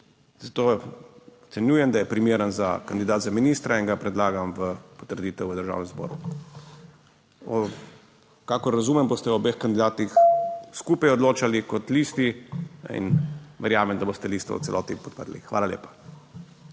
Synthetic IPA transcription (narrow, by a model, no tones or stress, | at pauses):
z̥at̪oː | ɔt̪sɛnjuːjɛmd̪ajɛpɾimeːɾənzakand̪id̪aːt̪zaminiːst̪ɾaiŋɡapɾɛd̪laːɡamʋəpɔ̥t̪əɾd̪iːt̪ɛwʋəd̪əɾʒa̰wnɛmzbɔ̰ːɾu | ɔ | kaːkɔɾːazuːmɛmbost̪ɛɔbexkand̪id̪aːt̪ixskuːpajɔd̪loːt͡ʃalikɔt̪liːst̪iḭnʋɛɾjaːmɛmd̪abost̪ɛlist̪ɔ̰w̰tsɛ̰lɔ̰ːt̪nipɔt̪̚pəd̪lixːʋa̰ːlaljḛːpḁ